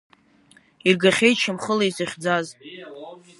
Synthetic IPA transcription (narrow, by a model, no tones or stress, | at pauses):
irɡaχʲejt͡ʃʰɪmχəlajzɨχʲd͡zaz